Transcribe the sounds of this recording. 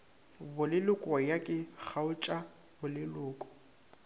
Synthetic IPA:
bʊlɪlʊkʼɔjakʼɪk͡xʰaʊt͡ʃʼa | bʊlɪlʊːkʼɔ̥

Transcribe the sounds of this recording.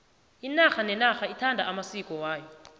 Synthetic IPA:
inaxanɛnaxaitʰandʱaamasikʼɔwaːjɔ

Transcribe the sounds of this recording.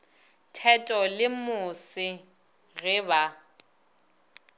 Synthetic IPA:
tʰɛtʼɔlɪmʊsɪ | ɣɪba

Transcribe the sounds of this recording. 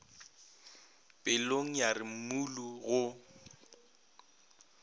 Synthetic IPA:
pʼɪloŋ̩jarɪm̩muluɣʊ

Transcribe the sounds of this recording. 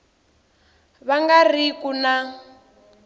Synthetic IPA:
βaŋɡarikuna

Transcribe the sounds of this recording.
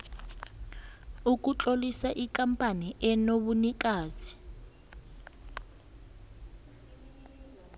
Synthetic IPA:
uk̬ut͡ɬʼolisaʔikampʼaniʔɛnoβunikʼaːzʰi̥

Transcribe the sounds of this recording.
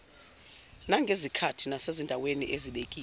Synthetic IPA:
naŋɡʱezikʰatʰinasezindʱawenḭʔeziɓekʼiː

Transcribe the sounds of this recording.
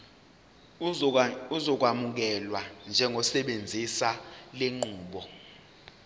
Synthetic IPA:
uzɔk̬wamuk̬ɛlwand͡ʒʱɛŋʱɔsɛɓend͡zʱisaleŋ͡ǃuːɓɔ

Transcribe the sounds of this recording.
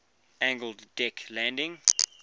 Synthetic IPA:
æ̃ŋɡəlˠdːɛkʰlæ̃ndɪ̃ŋ

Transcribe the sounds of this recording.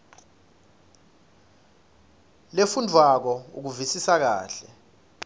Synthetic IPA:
lefundʱwak̬ɔṵk̬uvisisak̬a̰ːɬɛ

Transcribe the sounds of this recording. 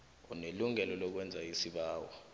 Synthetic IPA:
ɔneluŋɛlɔlɔk̬wɛnd͡zʱaisiɓaːwɔ̰

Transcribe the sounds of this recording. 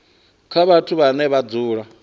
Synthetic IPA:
kʰaβatʰuβanɛβad͡zuːɺa

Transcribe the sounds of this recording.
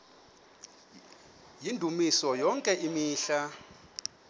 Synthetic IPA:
jindʱumisɔjɔŋkʼɛʔimiːɬa

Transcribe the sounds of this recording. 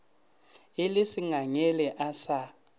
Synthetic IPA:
elisiŋaŋɛlɛʔasa

